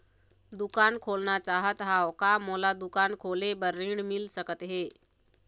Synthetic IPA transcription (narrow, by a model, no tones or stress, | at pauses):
d̪ukankʰolnat͡ɕaɦət̪ɦawkamolad̪ukankʰolebəɾːiɳmilsəkət̪ɦe